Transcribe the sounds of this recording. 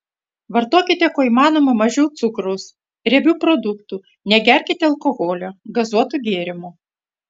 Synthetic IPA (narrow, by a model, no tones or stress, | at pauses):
ʋɐɾt̪oːkʲɪt̪ʲɛkoːiːmɑːnoːmɐmɐʒʲɛʊt̪sʊkɾʊs | ɾʲɛbʲuːpɾɔd̪ʊkt̪u | nʲɛɡʲɛɾʲkʲɪt̪ʲɛɐlˠkɔɣoːlʲoːɡɐzuɔt̪uɡʲeːɾʲɪmʊ